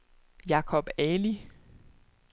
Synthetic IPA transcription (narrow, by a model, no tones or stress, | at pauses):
jɑ̈kʰɒb̥ɛni